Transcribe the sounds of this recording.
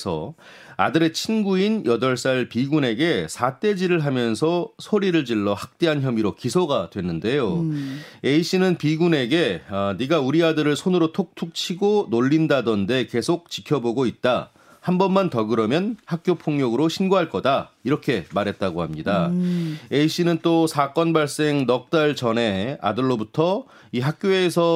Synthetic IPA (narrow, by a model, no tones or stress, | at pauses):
sʰʌ | a̰dɯɾe̞t͡ɕʰinɡuinjʌdʌɭs͈aɭpiɡune̞ɡe̞sʰat͈e̞d͡ʑiɾɯɭɦamjʌnsʰʌsʰoɾiɾɯɭd͡ʑiɭːʌhak̚t͈e̞ɦançjʌmiɾokisʰoɡadwe̞nːɯnde̞jo | eiɕ͈ʰinɯnpiɡune̞ɡe̞niɡauɾiadɯɾɯɭsʰonɯɾotʰok̚tʰuk̚t͡ɕʰiɡonoʎːindadʌnde̞ke̞sʰok̚t͡ɕikʰjʌboɡoit̚t͈a | hambʌnmantʌɡɯɾʌmjʌnhak̚k͈jopʰoŋɲʌɡɯɾoɕʰinɡoɦaɭk͈ʌdaiɾʌkʰe̞maɾɦe̞t̚t͈aɡohamɲida | eiɕ͈inɯnt͈osʰak͈ʌnbaɭs͈e̞ŋnʌk̚t͈aɭt͡ɕʌne̞a̰dɯɭːobutʰʌ | iɦak̚k͈joesʰʌ